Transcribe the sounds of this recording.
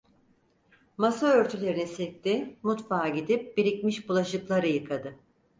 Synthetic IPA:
masaøɾt̪ʰylʲe̞ɾinisec̚t̪imut̪faːɟid̪ip̚biɾʲicmiʃbulˠaʃɯklˠaɾɯjɯkʰad̪ɯ

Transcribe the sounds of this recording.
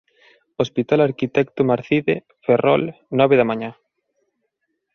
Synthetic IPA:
ospit̪alaɾkit̪ɛkt̪omaɾθiðe | ferʔɔ̰lnɔβeðamãɲã

